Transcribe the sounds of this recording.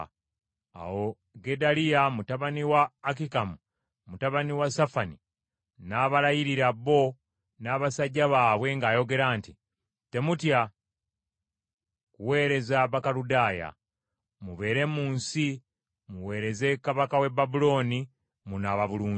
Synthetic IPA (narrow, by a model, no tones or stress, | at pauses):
a̰wo̞ | ɡe̞dalijamutaβaniwaːk̬ikamu | mutaβaniwasafani | naːβalajiɾiɾaβo̞ | naːβasaɟːaβaːβwe̞ŋɡaːjo̞ɡe̞ɾaːnti | te̞mutja | kuwe̞ːɾe̞zaβakaludaːja̰ | muβe̞ːɾe̞muːnsi | muwe̞ːɾe̞ze̞kaβakawe̞babulo̞ːni | munaːβaβuluː